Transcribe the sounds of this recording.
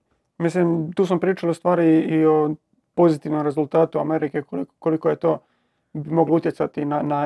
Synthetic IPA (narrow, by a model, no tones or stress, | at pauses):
mis̬limt̪uːs̬ampɾiːt͡ʃalost̪ʋaːɾiio | po̞zit̪iʋnomɾe̞zulˠt̪aːt̪uameɾikekolikko̞likoje̞t̪oː | mo̞ɡlout̪je̞t̪sat̪inana